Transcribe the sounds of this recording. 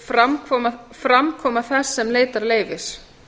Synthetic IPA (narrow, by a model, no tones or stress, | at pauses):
fɾamkʰvɔːmafɾamkʰɔːmaθɛsːɛmleːjt̪aɾleːjvɪs